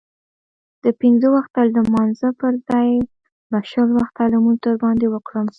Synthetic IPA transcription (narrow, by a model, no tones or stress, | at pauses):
d̪̥əpinzəwaxt̪ald̪əmɑnzəpəɾzɑj | baʃəlwaxt̪alamunt̪əɾbɑnd̪ewəkɽəm